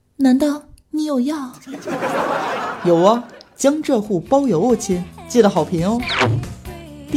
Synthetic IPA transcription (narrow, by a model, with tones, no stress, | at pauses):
na˧˥t̪ɑ˥˩ʊni˧˥jo˨˩ʊjɑ˥˩ʊ | jo˨˩ʊɐ˧t͡ɕjɑ˥ŋʈ͡ʂɤ˥˧xu˥˩pɑ˥ʊjo˧˥ʊɔ˥˩t͡ɕʰi˥nt͡ɕi˥˩d̪ə˩xɑ˨˩ʊpʰi˧˥ŋo˥˧